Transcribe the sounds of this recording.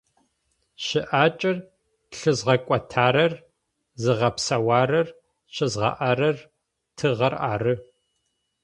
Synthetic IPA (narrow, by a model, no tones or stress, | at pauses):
ɕɪʔaːt͡ʃʼɐr | ɬɨzʁɐkʷʼɔtʰaːɾɐr | zɨʁɐpsɐwaːɾɐr | ɕɪzʁɐ̰ʔaɾɐr | tʰɨʁɐraːrɨ